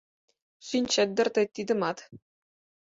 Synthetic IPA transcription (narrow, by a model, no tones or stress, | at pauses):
ɕinʲt͡ɕɘ̆d̪ʲɘ̆rʲt̪ʲɘ̆t̪ʲːid̪ʲɘ̆mɑt̪